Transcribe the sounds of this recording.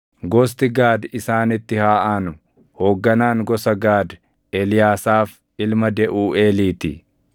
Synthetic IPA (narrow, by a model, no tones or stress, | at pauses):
ɡɔːs̬t̪ɪɡaːd̪ɪsaːnɪt̪ːɪhaːʔaːnʊ | hoːɡːɐnaːŋɡɔsɐɡaːd̪ | elɪjaːsaːf | ɪlmɐd̪ɛʔuːʔeːliːt̪ɪ̰